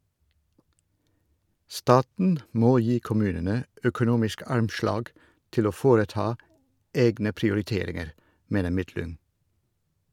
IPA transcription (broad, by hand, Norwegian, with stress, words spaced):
ˈstɑːtn̩ ˈmoː ˈjiː kʊˈmʉːnənə œkʊˈnuːmɪsk ˈɑɾmˌʃlɑːɡ ˈtɪl ˈoː ˈfoːɾəˌtɑː ˈeːɡnə pɾɪʊɾɪˈteːɾɪŋəɾ ˈmeːnə ˈmɪtlʏŋ